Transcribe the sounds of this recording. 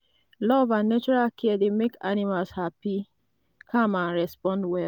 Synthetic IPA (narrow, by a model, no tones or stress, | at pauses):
lɔvanet͡ʃuɹakʰidemekanimalshapi | kʰãmaɹɛspɔ̃ndwɛl